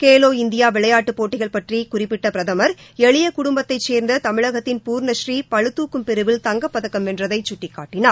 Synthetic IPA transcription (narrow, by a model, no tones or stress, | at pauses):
keːloːɪnd̪ɪjaːʋɪɭɐjaːʈːɯpoːʈːɪɣɐɭpɐʈrikʊrɪpːɪʈːɐpɪɾɐðɐmɐɾɛɭɪjɐkʊɽʊmbɐt̪ːɐɪt͡ʃːeːɾnd̪ɐt̪ɐmɪɻɐɣɐt̪ːɪnpuːɾnɐʃriːpɐɻɯt̪ːuːkːɯmpɛɾɯʋɪlt̪ɐŋɡɐpːɐðɐkːɐmɛndrɐðɐɪt͡ʃʊʈːɪkːaːʈːɪnaː